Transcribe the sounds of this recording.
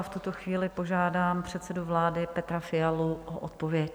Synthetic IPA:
ft̪ut̪oxviːlɪpo̞ʒaːdaːmpr̝̥ɛt̪sɛduvlaːdɪpɛt̪ɾafɪjaluʔoʔot̪̚po̞vjɛc

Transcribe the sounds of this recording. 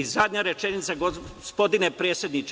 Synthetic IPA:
izad̪ʲɲaɾe̞t͡ʃenit̪saɡospo̞d̪inepɾeːt̪sʲje̞d̪nit͡ʃ

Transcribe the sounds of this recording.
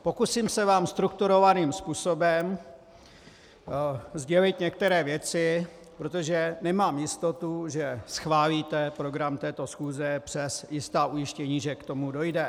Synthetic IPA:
po̞kusiːmsɛvaːmst̪ɾuk̚t̪uɾo̞vaniːmspuːso̞bɛm | zɟɛlɪt̪ɲɛk̚t̪ɛɾɛːvjɛt͡sɪ | pɾot̪o̞ʒɛnɛmaːmjɪst̪o̞t̪uʒɛsxvaːliːt̪ɛpɾo̞ɡɾamt̪ɛːt̪o̞sxuːzɛpr̝̥ɛsjɪst̪aːʔujɪʃcɛɲiːʒɛkt̪o̞mudo̞jdɛ

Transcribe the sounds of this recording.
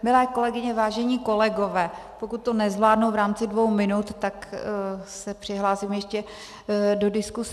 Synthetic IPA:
mɪlɛːko̞lɛɡɪɲɛvaːʒɛɲiːko̞lɛɡo̞vɛːpo̞kut̪ːonɛzvlaːdnowvɾaːmt͡sɪdvo̞wmɪnut̪ːak | sɛpr̝̥ɪɦlaːsimjɛʃcɛ | do̞dɪskus

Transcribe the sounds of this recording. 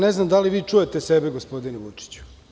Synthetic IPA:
neznamd̪aliʋiːt͡ʂuje̞t̪esebeɡospo̞d̪ineʋut͡ʂi̥t͡ɕu̥

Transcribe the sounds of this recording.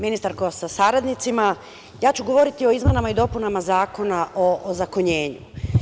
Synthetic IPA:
minist̪aɾkosasaɾad̪nit̪sima | jaːt͡ɕuɡo̞ʋo̞ɾit̪io̞izme̞namaid̪o̞punamazaːko̞naʔozakoɲe̞ːɲṵ

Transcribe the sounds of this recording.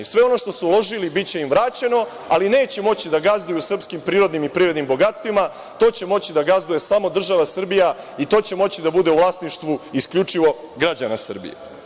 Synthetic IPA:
sʋe̞o̞no̞ʃt̪o̞suulˠo̞ʒilibitt͡ɕe̞imvɾaːt͡ɕe̞no̞ | aline̞ːt͡ɕe̞mo̞t͡ɕid̪aɡazd̪ujusr̩pskimpɾiːɾo̞d̪nimipɾiːɾe̞d̪nimbo̞ɡat̪st̪ʋima | t̪o̞ːt͡ɕe̞mo̞t͡ɕid̪aɡazd̪uje̞samo̞d̪r̩ʒaʋasr̩bija | it̪o̞ːt͡ɕe̞mo̞t͡ɕid̪abud̪e̞uvlaːsniʃt̪ʋuiskʎut͡ʂiʋo̞ | ɡɾad͡ʑanasr̩bḭjḛ

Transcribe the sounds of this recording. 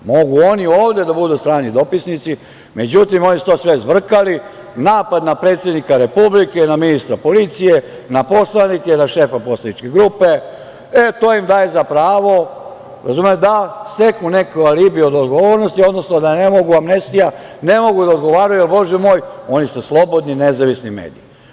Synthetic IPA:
mo̞ɡuo̞nioːʋd̪ed̪abud̪ust̪ɾaːnid̪o̞pisnit̪si | me̞d͡ʑut̪imo̞nisu̥t̪oːsʋezʋr̩kali | naːpad̪napɾe̞ːt̪sjed̪nikaɾe̞publike̞naminist̪ɾapo̞lit̪sije | napo̞slˠanikenaʃe̞ːfapo̞slˠanit͡ʃkeɡɾupe | et̪o̞ːimd̪aːje̞zapɾaːʋo̞ | ɾazumed̪ast̪e̞kmunekojalibio̞d̪od̪ɡoʋoɾnost̪io̞d̪no̞snod̪anemoɡuʋamnest̪ija | nemo̞ɡud̪aod̪ɡo̞ʋaːɾaujelbo̞ʒɛmo̞ːjo̞nisuslˠo̞bo̞d̪ninezaʋisnimḛːd̪ḭi

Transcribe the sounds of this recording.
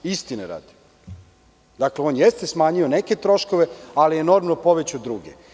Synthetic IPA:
ist̪ineɾa̰ːd̪i̥ | d̪akleo̞ːnjest̪e̞smaːɲioneke̞t̪ɾo̞ʃko̞ʋe̞alijeno̞ɾmanopo̞ʋet͡ɕud̪ɾuɡḛ

